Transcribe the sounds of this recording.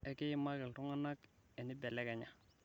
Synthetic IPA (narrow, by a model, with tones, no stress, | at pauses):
e˦ki˦ji˦ma˦ɡi˨ltu˦ŋa˦na˦k | e˨ni˦be˨le˦ke˨ɲa˨